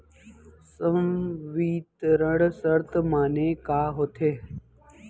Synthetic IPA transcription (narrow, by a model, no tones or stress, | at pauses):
səmʋiːt̪ɾəɽsəɾt̪maːneːkaːɦoːt̪ʰeː